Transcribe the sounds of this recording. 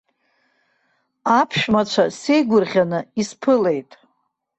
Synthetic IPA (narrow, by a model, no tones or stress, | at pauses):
apʰʃmat͡ʃʷʰase̞jɡʷʊrʁʲanɨispʰɨle̞jtʼ